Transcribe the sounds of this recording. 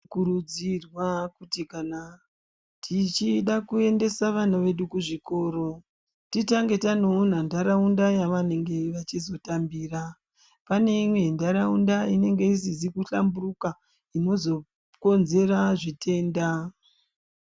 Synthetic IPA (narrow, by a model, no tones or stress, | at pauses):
kuɾud͡zirwakutikana | tʰit͡ʃiɗakue̞nde̞saʋan̤aʋe̞ɗukuʐiko̞ːɾo̞ | titaŋɡe̞tano̞ːn̤andaɾaundajaʋane̞ŋɡe̞ʋat͡ʃizo̞tambiːra | pane̞imwe̞ndaɾaundaine̞ŋɡe̞is̬izikuɬa̰mburuka | ino̞zo̞ | ko̞nze̞ɾaʐitʰe̞ːnda